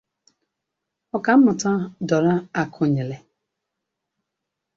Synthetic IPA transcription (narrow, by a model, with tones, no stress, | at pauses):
ɔ˨ka˨m̩˦mʊ˨ta˦dɔ˨ɾa˦a˨kʰʊ˨ɲe˨le˨